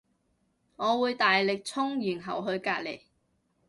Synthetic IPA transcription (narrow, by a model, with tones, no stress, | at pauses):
ŋɔː˨˧wuː˨˧jt̪aː˨jlɪ˨k̚t͡sʰʊ˥ŋjyː˨˩nɦɐ˨˩wɦɵ˧ɥkaː˧t̚le˨˩j